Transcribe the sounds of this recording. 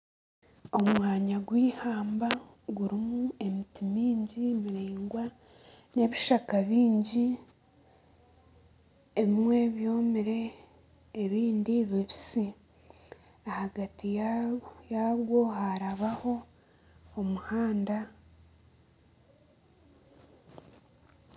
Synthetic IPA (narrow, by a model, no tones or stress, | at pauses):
o̞mwaːɲaɡwiːhaːmba | ɡuɾimue̞mitimiːɲɟimiɾeːŋɡwa | ne̞βiʃakaβiːɲɟi | eβimwe̞βjo̞ːmiɾe̞ː | βiːndiβiβisi | ahaɡati | jaɡwo̞haɾaβaho̞ | omuhaːnda